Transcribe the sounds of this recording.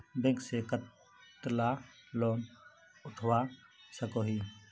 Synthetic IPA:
bẽŋkseːkə | t̪laːloːm | ʊʈʰʋaːsəkoːɦiː

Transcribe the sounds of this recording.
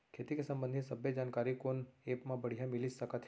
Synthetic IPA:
kʰeːt̪ikesə̃mbə̃nd̪ʱisəbjed͡ʒaːnkaːɾikoneːpmãbəɽ̤ijãmɪlid͡ʒsəkət̪ʰ

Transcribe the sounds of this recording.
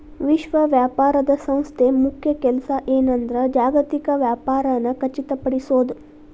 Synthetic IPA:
ʋiʃʋɐʋjaːpaːɾɐd̪ɐsɐ̃w̃st̪ʰemukʰjɐkɛlsɐʔeːnɐnd̪ɐɾɐd͡ʒaːɡɐt̪ikɐʋjaːpaːɾɐnɐkɐt͡ʃːit̪ɐpɐɽisoːd̪u

